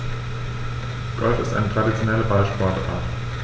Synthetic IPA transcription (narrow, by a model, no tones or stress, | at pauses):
ɡ̥ɔlfɪstʔa̰ɪnətʰʁ̥adit͡sjonɛləbalʃpɔɐta̰ːt